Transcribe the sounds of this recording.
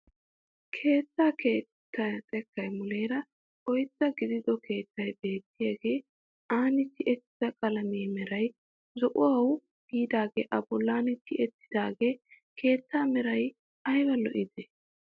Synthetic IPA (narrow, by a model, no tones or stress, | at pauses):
kʰe̞ːt͡sːaːkʰe̞ːt̪ːɐt͡sʼɛkːɐjmʊle̞ːɾɐ | ʔɔjt͡sːɐɡɪd̪ɪd̪ɔkʰe̞ːt͡sːɐjbe̞ːt̪ːɪjaɡe̞ː | ʔaːnɪt̪ːɪʔɛt̪ːɪz̥ɐkʼɐlɐmeːmɛɾɐj | zɔʔʊwɐw | ɡ̥iːd̪aːɡeːʔɐbɔlːaːnɪt̪ːɪɛt̪ːɪ̥d̪aːɡe̞ː | kʰe̞ːt͡sːaːmɛɾɐj | ʔɐjbɐlɔʔɪd̪e